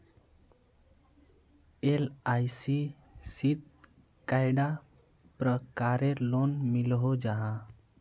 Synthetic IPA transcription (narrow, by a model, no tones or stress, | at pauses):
elajsi | sit̪̚ | kajɖa | pɾəkaɾeɾlonmilɦod͡ʒaɦã